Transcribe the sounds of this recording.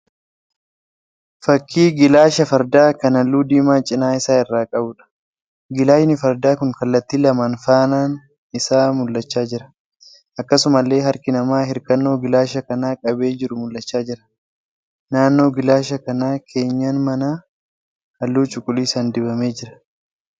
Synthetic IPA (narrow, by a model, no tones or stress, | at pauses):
fɐkʰːiːɡɪlaːʃɐfɐɾd̪aːkɐnɐlːuːd̪iːmaːt͡ʃʼɪnaːɪsaːɪrːaːkʼɐbʊᶑɐ̥ | ɡɪlaːʃnɪfɐɾd̪aːkʊŋkɐlːɐt̪ːiːlɐmaːnfaːnaːn | ɪsaːmʊlːɐt͡ʃːaːd͡ʒɪɾɐ̥ | ʔɐkːɐsʊmɐlːe̞ːɦɐɾkɪnɐmaːɦɪɾkɐnːo̞ːɡɪlaːʃɐkɐnaːkʼɐbe̞ːd͡ʒɪɾʊmʊlːɐt͡ʃːaːd͡ʒɪɾɐ̥ | naːnːo̞ːɡɪlaːʃɐkɐnaːkʰe̞ːɲːaːnmɐna | ɐlːuːt͡ʃʼʊkʼʊliːsɐnd̪ɪbɐme̞ːd͡ʒɪɾɐ̥